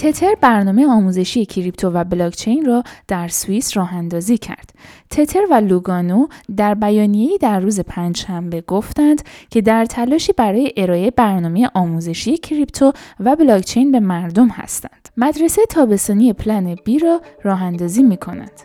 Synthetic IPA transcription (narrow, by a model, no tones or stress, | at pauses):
t̪ʰe̞t̪ʰe̞ɾbæɾnɒːme̞jeɒːmuːze̞ʃije̞cʰiɾipt̪ʰovæblɒːɡt͡ʃʰejnrɒːd̪̥æɾsuisrɒːɦænd̪ɒːziːcʰæ̰ɾd̪̥t̪ʰe̞t̪ʰe̞ɾvæluɡɒnod̪æɾbæjɒːnije̞jiːd̪æɾːuːze̞pʰænd͡ʒʃæmbe̞ɡoft̪ænd̪̥cʰe̞d̪æɾt̪ʰælɒːʃiːbæɾɒːje̞ʔe̞ɾɒːebæɾnɒːmeje̞ʔɒːmuːze̞ʃije̞cʰɾipt̪ʰovæblɒkt͡ʃʰe̞jnbe̞mæɾd̪o̞mhæ̰st̪æ̰ndd̪̥mæd̪ɾe̞seet̪ʰɒːbe̞st̪ɒːnije̞pʰlæneb̥iːɾɒːrɒːɦænd̪ɒːziːmiːkʰo̞næ̰nd̪̥